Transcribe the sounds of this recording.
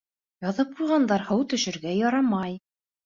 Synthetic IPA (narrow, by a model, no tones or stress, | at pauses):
jɑðɤp̚qujʁɑnd̪ɑɾhɤwt̪ɵ̆ʃɘ̆ɾɡæjɑɾɑmɑj